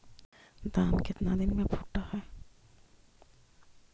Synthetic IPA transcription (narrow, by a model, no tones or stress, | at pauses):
d̪aːmkɪt̪nad̪ɪnmẽbʰʱʊʈːahɛː